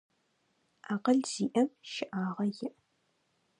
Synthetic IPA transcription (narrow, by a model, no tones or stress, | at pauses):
aːqɐɮz̥iːʔɐmʃɪʔaːʁɐjɪʔ